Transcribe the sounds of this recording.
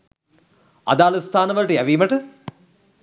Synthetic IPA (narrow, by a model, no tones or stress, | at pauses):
ɐ̰d̪aːlust̪ʰaːnəʋəlʈəjæʋiːməʈə